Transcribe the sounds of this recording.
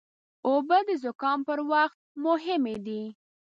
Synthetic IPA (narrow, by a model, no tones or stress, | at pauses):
obəd̪əzʊkɑmpəɾwaxt̪̚mʊɦɪmed̪i